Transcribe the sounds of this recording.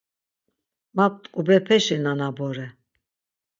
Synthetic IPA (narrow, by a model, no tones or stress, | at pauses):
map̚t̪ʼkʼubɾɛpʰɛʃɛnanabɔɾɛ